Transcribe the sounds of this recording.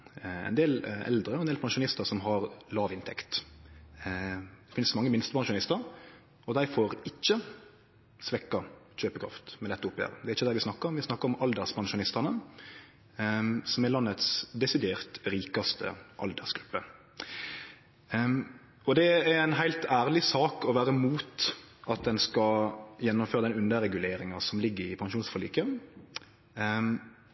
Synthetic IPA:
ɛ̰ɪnd̪eːlɛ̰ld̪ɾəɔɛnd̪eːlpʰɑnʃʊnɪst̪əɾsɔmɦɑɾlɑːʋɪnt̪ʰɛkt̪ | d̪̥ɛfɪnəsɔmɑŋːəmɪnst̪əpʰɑnʃʊnɪst̪əɾ | ɔd̪æɪfoɾɪçːə | sʋɛkːɑc͡çøːpəkʰɾɑ̰ft̪mɛd̪ɛt̪ːəʊpːjø̰ːɾəd̪ɛæɾɪçːəd̪æɾʋɪsnɑkːəɾɔmʋɪsnɑkːəɾɔmɑld̪əʁspʰɑnʃʊnɪst̪ɑnə | sɔmɛlɑnːət̪sd̪ɛsɪd̪eːʁt̪ɾiːkɑst̪ʰə̰ʔɑ̰ld̪əʁsɡ̥ɾʉpːə | ɔd̪ɛææɪnɦæɪlt̪æːɾlɪsɑːkɔʋæːɾəmuːt̪ | ʔɑt̪̚d̪ɛnskɑjɛnːɔmføːɾəd̪ɛnʉnd̪əɾɛɡʉleːɾɪŋɑsɔmlɪɡːəɾɪpʰɑŋʃuːnsfɑlḭːkə

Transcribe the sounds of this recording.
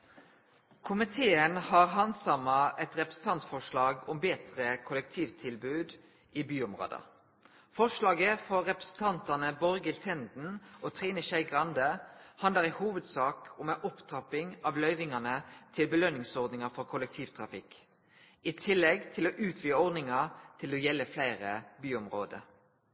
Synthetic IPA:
kʰʊmɪt̪ʰeːənhɑːʁɦɑnsɑmɑɛt̪ʁɛpɾəsn̩t̪ɑnt̪fɔʂɭɑːɡɔmbeːt̪ʁəkʰʊlɛk̚t̪ʰiːʋt̪ʰɪlbʉːd̪ | ʔiːbyːɔmʁo̰ːd̪ə̰ | fɔʂlɑːɡəfɔʁːɛpʁɛ̥sn̩t̪ʰɑnt̪ɑnəbɔɾɡɪlt̪ʰɛnd̪n̩ʔoːt̪ʰʁiːnəʃæɪɡʁɑnd̪əhɑnləʁɪhuːʋəd̪sɑːkɔmɛʔɔpt̪ʰʁɑpɪŋɑʋlœʏʋɪŋɑnət̪ʰɪlbəlœnɪŋsɔʁd̪nɪŋɑfɔʁkʰʊlɛk̚t̪ʰiːʋt̪ʰʁɑfɪk | it̪ʰɪlːɛɡt̪ʰɪloːʔʉːt̪ʰʋiːəɔʁd̪nɪŋɑt̪ʰɪlɔjɛlːəflæɪʁəbyːɔmʁoːd̪ə̰

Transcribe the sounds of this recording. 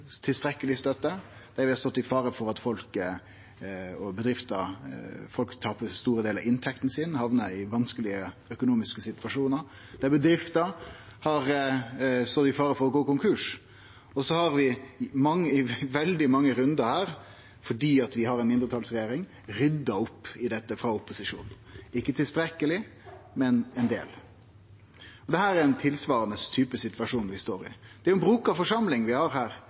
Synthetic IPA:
t̪ʰɪlst̪ɾɛkːəlɪst̪œt̪ːəd̪̥ɛæɾʋɪhɑst̪ɔt̪ːɪfɑːɾəfɔɾɑt̪fɔlk | ɔbəd̪ɾɪft̪ə | fɔlkt̪ʰɑːpəst̪uːɾəd̪eːlɾ̰ɑɪnt̪ʰɛkt̪n̩sɪnhɑʋnəɪʋɑnskəlɪəœkʊnuːmɪskəsɪt̪ʋɑʂuːnəɾ | d̪̥ɛæbəd̪ɾɪft̪əhɑɾ | st̪ɔt̪ːɪfɑːɾəfɔɾɔɡoːkʊŋkʰʉʂ | ɔsɔhɑɾʋɪmɑŋːəɪʋɛld̪ɪmɑŋːəɾʉnd̪əhæːɾ | fɔɖiːɑt̪ʋɪhɑɾɛnmɪnd̪ɾət̪ɑːlsɾɛjeːɾɪŋ | ɾʏd̪ːɑɔpːɪd̪ɛt̪ːəfɾɑʊpːʊsɪʂṵːn | ɪkːət̪ʰɪlst̪ɾɛkːəlɪmɛnɛnd̪ḛːl | ɔd̪ɛhæːɾæɾɛnt̪ʰɪlsʋɑːɾənəst̪ʰyːpəsɪt̪ʋɑʂuːnʋɪst̪oːɾɪ̰d̪̥ɛæɾʊɛnbɾuːkɑʋfɔʂɑmlɪŋʋɪhɑɾhæːɾ

